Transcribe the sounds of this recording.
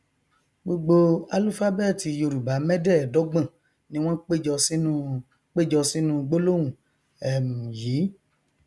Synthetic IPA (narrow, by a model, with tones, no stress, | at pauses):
ɡ͡bo˧ɡ͡bo˧a˨˧lu˦fa˦bɛ˦˨ti˧jo˧ɾu˨ba˨˦mɛ̃˦dɛ˦˨dɔ˨˦ɡ͡bã˦˨ | nĩ˨˦w̃ɔ̃˦k͡pe˦˨d͡ʒɔ˧si˦nũ˦ | k͡pe˦˨d͡ʒɔ˧si˦nũ˦ɡ͡bo˦lo˦wũ˨ | ɛ˨mũ˨jiː˨˦